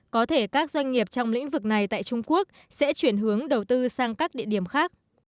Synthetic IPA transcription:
kɔ˨˦t̪ʰe˧˩kaː˦˥k̚zwa˧jŋ̟ŋi˨˩əp̚t͡ɕɔ˧wŋ͡mlḭ˧˥ŋ̟vɨ˨˩k̚na˨˩jt̪a̰ː˧˨jt͡ɕʊ˧ŋ͡mku˦˥ək̚ | sɛ̰˧˥t͡ɕwi˧˩ənɦɨ˨˦əŋɗə˨˩wt̪ɨ˧saː˧ŋkaː˦˥k̚ɗḭ˧˨əɗi˧˩əmxaː˦˥k̚

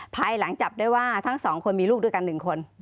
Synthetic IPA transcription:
pʰaː˧jla˩˦ŋt͡ɕa˨˩p̚du˥˩˨jwaː˥˩t̪ʰa˥˩ŋsɔː˩˦ŋkʰo˧nmiː˧luː˥˩du˥˩˨jka˧nːɯ˨˩ŋkʰo˧n

